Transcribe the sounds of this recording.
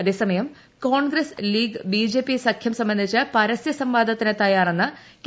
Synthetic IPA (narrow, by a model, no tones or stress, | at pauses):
ɐðe̞ːsɐmɐjɐm | koːɳɡɾɐsliːɡbiːd͡ʑe̞ːpːisɐkʰjɐmsɐmbɐnd̪ʱit͡ɕːɨpɐɾɐsjɐsɐmʋaːd̪ʱɐt̪ːinet̪ːɐjaːrenːɨ | k